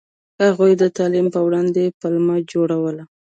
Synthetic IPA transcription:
haɣujd̪ət̪ɑlimpəwɽɑnd̪epəlmad͡ʒoɽawəla

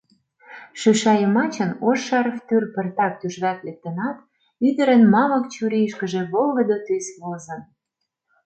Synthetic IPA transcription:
ʃyʃɑjəmɑt͡ɕənoʃɑɾft̪yrpə̆rt̪ɑk̚t̪yʒβæt̪lek̚t̪ə̆nɑt̪ | yd̪ə̆ɾə̆nmɑlə̆kt͡ɕuɾejʃkə̆ʒĕβolɣə̆d̪ot̪ysβozɤ̆n

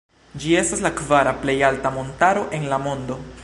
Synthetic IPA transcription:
d͡ʒie̞staslakvaɾaple̞jaltamo̞ntaɾo̞ʔe̞nlamo̞ndo̞

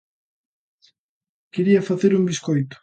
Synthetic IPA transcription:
keɾiɐfaθeɾuŋbiskojt̪ʊ̥

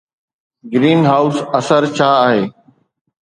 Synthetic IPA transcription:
ɡɾiːnɦaːʊsɐsəɾt͡ɕʰaːaːɦeː

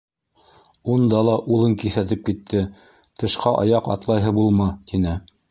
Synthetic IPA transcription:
und̪ɑlˠɑʔulˠɤŋkiθæt̪̬ɘp̚kit̪ʰːɘ | t̪ɤ̆ʃqɑʔɑ̰jɑqɑ̰t̪lˠɑjɦɤbulˠmɑt̪inɘ

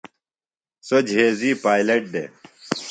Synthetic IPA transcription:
sod͡ʑɦeːziːpaːjleʈ̚d̪ḛ

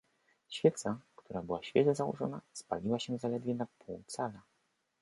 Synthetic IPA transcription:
ɕfʲjɛt̪sakt̪uɾabɘwaɕfʲjɛʐɛzawɔ̰ʐɔna̰spa̰lʲiwaɕɛzalɛd̪vʲjɛnapʰuwt̪sala

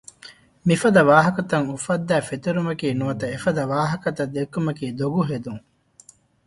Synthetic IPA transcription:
mifɐd̪ɐʋaːɦɐkɐt̪ɐŋufɐd̪ːæːfet̪uɾumɐkiːnuʋɐt̪ɐefɐd̪ɐʋaːɦɐkɐt̪ɐd̪ekːumɐkiːd̪oɡuɦed̪uŋ

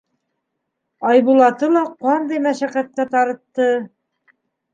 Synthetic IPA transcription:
ɑjβulˠɑt̪ɤlˠɑqɑnd̪ɤjmæʃæqæt̪̚kæt̪ɑɾɤ̆t̪ːɤ

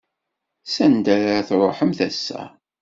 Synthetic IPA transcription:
sænd̪æɾaɾθɾˤoħəmθæsːæ̰

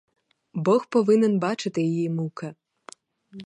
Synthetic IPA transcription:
bɔxpɔʋɪnɪnbɑt͡ʃɪt̪ɪjɔjimukɐ

